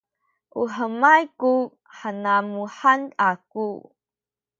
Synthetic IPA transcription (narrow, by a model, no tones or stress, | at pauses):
ʔuħəmajku | ħanamuħanaku